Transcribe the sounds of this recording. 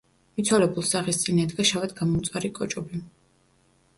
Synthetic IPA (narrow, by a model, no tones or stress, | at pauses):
mit̪sʰwalɛbulˠsaχist̪sʼinɛd̪ɡaʃavɛd̪ɡamɔmt̪sʼwaɾikʼɔt͡ʃʼɔbi